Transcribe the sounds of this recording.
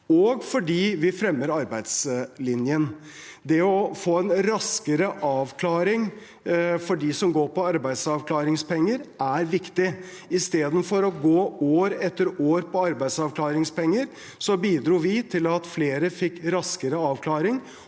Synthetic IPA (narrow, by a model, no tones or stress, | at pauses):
ɔɡfɔɖiːʋɪfɾɛmːəɾɑɾbæɪd̪slɪnjən | d̪ɛɔfoːɛnɾɑskəɾəʔɑːʋkʰlɑːɾɪŋ | fɔɖiːsɔmɡoːɾpɔɑɾbæɪd̪sɑʋklɑːɾɪŋspɛŋːəɾʔæɾʋɪkt̪ɪ | ɪst̪eːd̪ən̩fɔɾɔɡoːoːɾɛt̪ːəɾoːɾpʰɔɑɾbæɪd̪sɑʋʰlɑːɾɪŋspɛŋːəɾ | sɔbiːd̪ɾuːʋɪt̪ʰɪlɑt̪fleːɾəfɪkːɾɑskəɾəɑːʋkʰlɑːɾɪŋ